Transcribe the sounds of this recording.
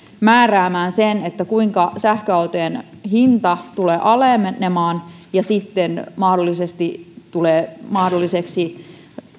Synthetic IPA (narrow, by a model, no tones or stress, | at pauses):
mæːræːmæːnsenet̪ːækuiŋkɑsæhkøɑut̪eːnhint̪ɑt̪uleːʔɑlemenemɑːnjɑsit̪ːenmɑhdolːˑisest̪it̪uleːmɑhdolːˑiseksi